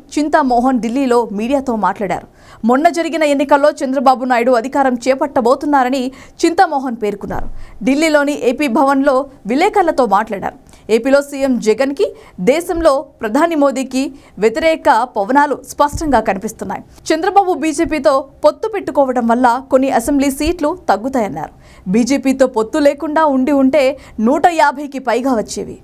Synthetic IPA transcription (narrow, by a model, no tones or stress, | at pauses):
t͡ʃint̪ɐmɔːɦɐnɖilːiːlo̞ːmiːɽijaːt̪o̞ːmaːʈlaːɽa̰ːɾu | mɔnːɐd͡ʒɐɾiɡinɐe̞nːikɐlːo̞ːt͡ʃɐnd̪ɾɐbaːbunaːjuɽuɐd̪ʱikaːɾɐmt͡ʃɛːpɐʈːɐbo̞ːt̪unːaːɾɐnit͡ʃint̪ɐmɔːɦɐnpe̞ːɾkunːa̰ːɾuɖilːiːlo̞ːniʔeːpiːbʱɐʋɐnlo̞ːʋilɛːkɐlɐt̪o̞ːmaːʈlaːɽa̰ːɾu | e̞ːpiːlo̞ːsiːjemd͡ʒɛɡɐnki | d̪ɛːsɐmloːpɾɐd̪ʱaːnimoːd̪iːki | ʋjet̪iɾɛːkɐpɐʋɐnaːluspɐʂʈɐŋɡaːkɐnipist̪unːa̰ːji | t͡ʃɐnd̪ɾɐbaːbubiːd͡ʒeːpiːt̪o̞ːpot̪ːupe̞ʈːukɔːʋɐɽɐmʋɐlːɐko̞nːiʔɐsembliːsiːʈlut̪ɐɡːut̪aːjɐnːa̰ːɾu | biːd͡ʒeːpiːt̪o̞ːpot̪ːuleːkuɳɖaːuɳɖiuɳʈe̞ː | nuːʈɐjaːbʱɐjkipɐjɡaːʋɐt͡ʃːḛːʋḭ